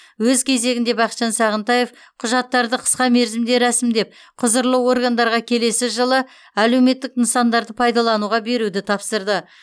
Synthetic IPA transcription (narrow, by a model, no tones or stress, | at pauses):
wɵzkʲʰe̞ze̞ɡʲɪnd̪e̞bɑqt̪ʃɑnsɑʁənt̪ɑje̞f | qʰʊʒɑt̪ːɑɾd̪əqʰə̥sqɑme̞ɾzɪmd̪e̞ɾæsɪmd̪e̞p̚ | qʰʊzəɾlˠəwo̞ɾɡand̪ɑɾʁɑkʲʰe̞le̞sɪʒəlˠə | æle̞wme̞t̪ːɪk̚ənsɑnd̪ɑɾd̪əpʰɑjd̪ɑlˠɑnuʁɑbe̞ɾud̪ɪt̪ʰɑpsəɾd̪ə